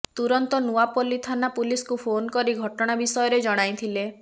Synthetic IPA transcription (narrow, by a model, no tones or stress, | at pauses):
t̪uɾɔnt̪ɔnuapolit̪ʰanapuliskupʰonkɔɾiɡʱɔʈɔɽ̃abisɔjɔɾed͡ʒɔɽ̃ajt̪ʰile